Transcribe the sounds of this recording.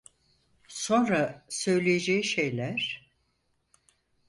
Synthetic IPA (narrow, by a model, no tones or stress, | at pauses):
so̞nɾasø̞jlʲejed͡ʒejiʃejlʲæɾ̥